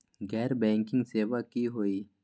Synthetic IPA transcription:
ɡɛːɾbẽːŋkɪ̃ŋɡseːwakiɦoːiː

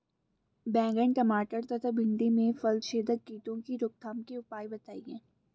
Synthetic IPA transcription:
bɛ̃ːŋɡə̃ɳɖkɐmaːʈəɾt̪ɐt̪ʰabɪ̃ɳɖ̪imẽfəld̪ʃeːd̪əd̪̚kiːt̪õkiɾʊk̚t̪ʰəmkeʊpaːibɐt̪aːiɦɛ̃ː

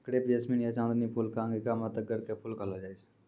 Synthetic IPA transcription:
kɾeːpd͡ʒesminiət͡ʃãːnd̪nipʰulkãːŋɡikamat̪əkːəɾkepʰʊlkəlad͡ʒaːis

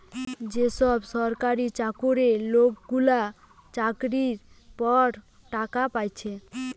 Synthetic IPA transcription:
d͡ʑeʃɔbʃɔɾkaɾit͡ɕakoɾelokɡula | t͡ɕakɾiɾ | pɔɽ | ʈakapajt͡ɕʰe

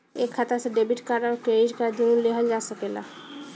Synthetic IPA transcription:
ekʰːat̪aseɖebiʈkaɾaɾked͡ʒkad̪ʱiũleɦəld͡ʒasəkela̰

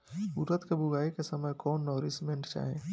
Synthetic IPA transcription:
uɾət̪kebʱuɡaːikesɐməjkɔːnːɔːɾismẽɳʈt͡ʃa̰ːɦḛ̃ː

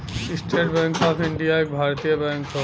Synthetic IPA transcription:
isʈʰeʈbɛ̃ŋkɔːpʰiɳɖijaek̚bʱaːɾt̪ijəbɛ̃ŋkɔ

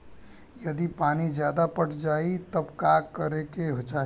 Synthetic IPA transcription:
jəd̪ipanid͡ʒjad̪apəʈʰd͡ʒait̪əbkakəɾekeɦod͡ʒa

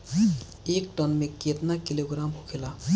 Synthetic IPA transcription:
ekʈɔnmeket̪nakiloɡɾamɦukʰela

